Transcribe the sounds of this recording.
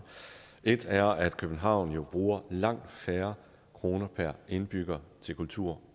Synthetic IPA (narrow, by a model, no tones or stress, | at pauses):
e̝d̥æɐæd̥kʰøb̥n̩ɦɑ̈ʊ̰njo̝b̥ʁuːɐlɑ̈ŋ̰d̥fæːɐ | kʰʁo̝ːnɐpʰæɐ̰e̝nb̥yɡ̥ɐt͡sʰe̝lkʰult͡sʰuɐ̰